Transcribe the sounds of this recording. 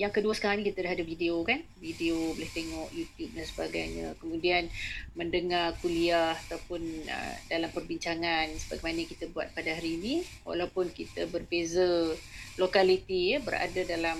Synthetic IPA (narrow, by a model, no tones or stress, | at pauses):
jaŋkəduəsə̥kaɾaŋɲĩkit̪adaɦadavideokanvideobəlɪht̪eŋɔʔjut̪jup̚dansəbaɡajɲə̰kəmũdianməndəŋarkuliahat̪awpʊnə̰dalampərbiɲt͡ʃaŋansəbaɡajmanəkit̪abua̰t̪̚padaɦaɾiːnĩ | wa̰lawpʊnkit̪əbərbezalokalit̪ijəbəɾa̰dadalam